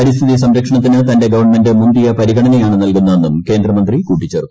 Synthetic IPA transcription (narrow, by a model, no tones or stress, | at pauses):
ɐɾist̪ʰiðisɐmɾɐkʂɐɳɐt̪ːinɨt̪ɐnde̞ɡɐʋɐrɳme̞ndɨmumbijɐpɐɾiɣɐɳɐnɐjaːɳɨnɐlkunːɐenːumke̞ːnd̪rɐmɐnd̪rikuːʈːit͡ɕːert̪ːu